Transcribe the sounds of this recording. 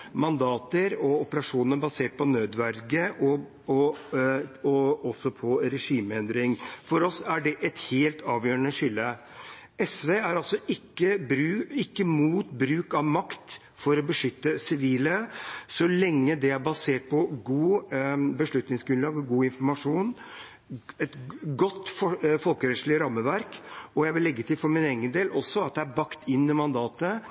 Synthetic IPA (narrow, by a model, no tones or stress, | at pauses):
mɑnd̪ɑːt̪əɾɔɔpəɾɑʂuːnnəbɑseːʈ̚pʰɔnøːd̪ʋæɾɡəʔɔ | ɔɔsːɔpʰɔɾɛʂiːməɛnd̪ɾɪŋfɔɾɔsæɖɛʔɛt̪heːlt̪ʰɑːʋjøːəɳəʂɪlːə | ɛsʋeːæɾɑlsɔʔɪkːəbɾʉɪkːəmuːt̪bɾʉːkɑʋmɑkt̪ | fɔɾɔbəʂʏt̪ːəsɪʋiːləsɔlɛŋːəd̪ɛæɾbɑseːʈ̚pʰɔɡuːbəʂɭʉt̪nɪŋsɡɾʉnlɑːɡɡuːɪnfɔɾmɑʂuːn | ɛt̪ɡɔt̪ːfɔfɔlkəɾɛt̪ʂɭɪɾɑmːəʋæɾkɔjæɪʋɪlːɛɡːət̪ʰɪlfɔɾmɪneːɡənd̪eːlʔɔsːɔɑt̪̚d̪ɛæɾbɑkt̪ʰɪnːəmɑnd̪ɑːt̪ə